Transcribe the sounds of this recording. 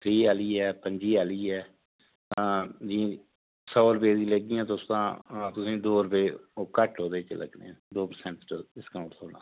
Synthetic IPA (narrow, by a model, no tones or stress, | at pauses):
t̪ʰɾiːaːliːɦɛːpəɲd͡ʒiːaːliːɦɛː | d͡ʒĩː | sɔːɾəpeːd̪ĩːləɡɪjãːt̪ost̪ã̰ːt̪ʊsĩːd̪oːɾəpeːoːkəʈɦoːd̪eːt͡ʃələ̰ɡnḛːãd̪oːpəɾsɛ̃ɳʈɪskaʊ̃ʈoːnã̰ː